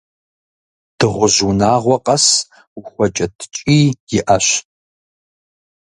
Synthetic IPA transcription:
d̥ɨʁʷʊʑunaːʁʷɔqʼɐs | ʊxʷɔt͡ʃʼɐtʰt͡ʃʼiːjɪʔɐɕ

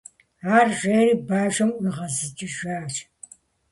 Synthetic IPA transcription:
aːrʒeːriːbaːʒʷɐmɨʁɐzɨt͡ʃʼɪʒaːt͡ʃʼ

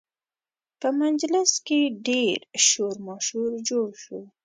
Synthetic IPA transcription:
pəmand͡ʒlɪskeɖeɾʃoɾmɑʃuɾd͡ʒoɽʃu

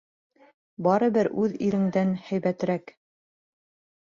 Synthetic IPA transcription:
bɑɾɤ̆bɘɾʔʉðiɾɘ̆ŋd̪ænhæjβæt̪ɘ̆ɾæk

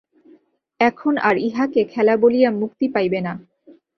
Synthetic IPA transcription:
ɛkʰonaɾiɦakekʰɛlabolijamuk̚t̪ipajbena

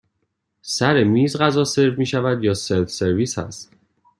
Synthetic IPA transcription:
sæɾe̞miːzɢæzɒːse̞ɾvmiːʃævæd̪jɒːselt̪se̞ɾviːshæ̰st̪

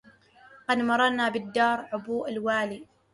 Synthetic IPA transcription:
qɑd̪mɑɾˤɑnaːbɪd̪ːɑːɾˤʕʊbuːʔalwaːliː

